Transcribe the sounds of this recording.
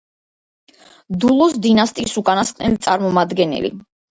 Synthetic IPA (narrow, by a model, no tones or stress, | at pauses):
d̪ulˠɔsd̪inast̪ʼiːsukʼanast̪ʼnɛlit̪sʼaɾmɔmad̪ɡɛnɛ̰lḭ